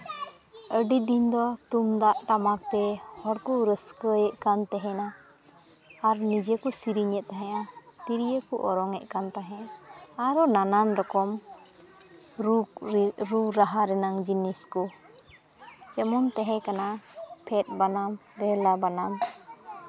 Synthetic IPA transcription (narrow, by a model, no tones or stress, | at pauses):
əɖid̪ind̪ɔt̪umd̪aʔʈamak̚t̪ɛhɔɽkuɾəskəjɛʔkant̪ɛɦɛna | ɾnid͡ʒɛkusiɾiɲɛʔ̪̚t̪aɦɛ̃at̪iɾijəkuʔɔɾɔŋɛʔkant̪aɦɛ̃aɾɔnananɾɔkɔm | ɾuɾaɦaɾɛnaŋd͡ʒiniskɔ | d͡ʒɛmɔnt̪ɛɦɛ̃kanapʰɛt̪̚banamɾɛlabanam